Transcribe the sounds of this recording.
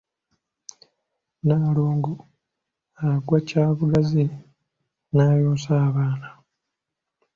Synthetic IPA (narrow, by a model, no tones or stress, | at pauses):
naːloːŋɡu | aɡwacaːβuɡazi | naːjoːsaːβaːna